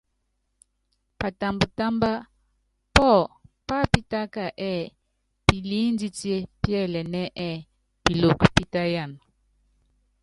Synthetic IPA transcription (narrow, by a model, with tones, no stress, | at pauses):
pa˨ta˨mbu˨ta˦mba˦ | pɔ˦˨pa˦pi˦ta˦ka˨ʔɛ˦˨ | pi˨li˦n˦di˦tje˦pjɛ˦˨lɛ˨nɛ˦ʔɛ˦˨ | pi˨lo˨kpi˦ta˦ja˦˨n